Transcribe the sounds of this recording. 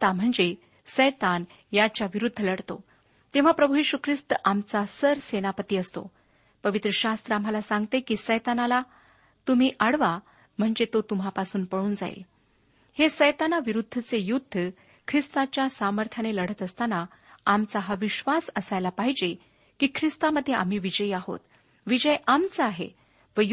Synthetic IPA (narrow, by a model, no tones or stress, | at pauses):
t̪am̤əɳd͡ze | səjt̪an | jat͡ɕjaʋiɾud̪ʱːələɽt̪o̰ | t̪ẽʋ̤apɾəbʱujeɕukʰɾist̪əʔamt͡sasəɾsenapət̪iːəst̪o̰ | pəʋit̪ɾəɕast̪ɾəam̤ːalasãŋɡt̪ekiːsəjt̪anala | t̪um̤iːʔaɽʋa | m̤əɳd͡zet̪ot̪um̤apasuːnpəɽuːnd͡za̰ḛl | hesəjt̪anaʋiɾud̪ʱːət͡sejud̪ʱːə | kʰɾist̪at͡ɕjasaməɾt̪ʰjaneləɽ̤ət̪əst̪ana | amt͡saɦaʋiɕʋasəsajlapaɦid͡ʑe | kiːkʰɾist̪aməd̪ʱːjeʔa̰m̤iːʋid͡ʑəjaɦo̰t̪ | ʋid͡ʑəjʔamt͡səaɦḛ | ʋəj